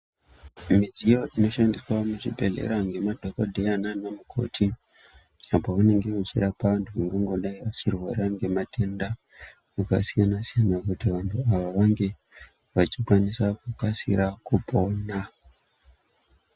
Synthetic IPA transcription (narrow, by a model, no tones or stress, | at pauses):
mid͡ʒijo̞ino̞ʃandiswamut͡ʃibʱe̞lḛɾaŋɡe̞madʱo̞kodʱejananomukʰo̞̰tʰi | apoʋane̞ŋɡe̞mut͡ʃḭɾapaʋantʰuʋaŋɡeŋɡo̞ɗaiʋat͡ʃirwo̰ɾaŋɡe̞matʰenda | muka̰sijanasijanakutiʋantʰuaʋaʋaŋɡe̞ | ʋat͡ʃikwanisakukasḭɾakupo̞ːna